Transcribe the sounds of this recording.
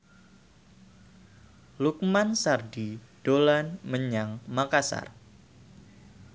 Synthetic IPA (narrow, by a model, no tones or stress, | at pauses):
luk̚mansardid̥olanməɲaŋmakasa̰r